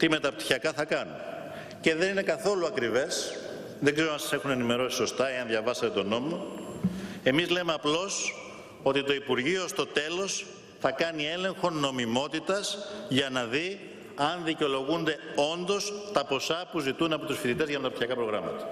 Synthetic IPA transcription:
t̪ime̞t̪ɐp̚t̪i̥çɐkɐθɐkɐnṵn | ce̞ðe̞nine̞kɐθo̞luɐkɾive̞s | ðeɡzeɾoɐnsɐse̞xune̞nime̞ɾo̞si̥so̞st̪ɐeɐnðʝɐvɐsɐt̪e̞t̪o̞no̞mo | e̞mizle̞meɐplo̞s | o̞t̪it̪o̞ipuɾʝiost̪o̞t̪e̞lo̞s | θɐkɐnie̞le̞ŋxo̞nːo̞mimo̞t̪it̪ɐsʝɐnɐði | ɐnðiceo̞lo̞ɣund̪e̞o̞nd̪o̞st̪ɐpo̞sɐpuzit̪unɐpo̞t̪usfit̪it̪e̞zʝɐmet̪ɐpt̪içɐkɐpɾoɣɾɐmɐ̰t̪ɐ̥

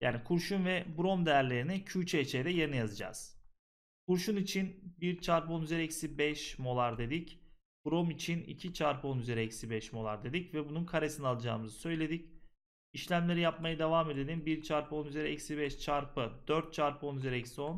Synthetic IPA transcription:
jaːnikʰuɾʃunvɛbuɾo̞md̪ejæɾlʲe̞ɾinicʰyːt͡ʃʰeːt͡ʃʰejd̪ɛjeɾinɛjazɯd͡ʒa̰z̥ | kʰuɾʃunit͡ʃʰinbiɾt͡ʃʰaɾpo̞nyzeɾɛcsibɛʃmo̞lˠaɾd̪e̞d̪ic | b̥uɾo̞mit͡ʃʰinḭcʰit͡ʃʰaɾpʰɯo̞nyze̞ɾɛɛcsibɛʃmo̞lˠaɾd̪e̞d̪icvɛbununkʰaɾesinalˠad͡ʒa̰ːmɯzɯsø̞jlʲe̞d̪ic | iʃlʲæmlʲe̞ɾijap̚majad̪evaːme̞d̪ed̪ʲimbiɾt͡ʃʰaɾpʰɯo̞nyze̞ɾɛɛcsibɛʃt͡ʃʰaɾpɯd̪̥ø̞ɾt̪̚t͡ʃʰaɾpʰɯo̞nyzeɾɛcsio̞n

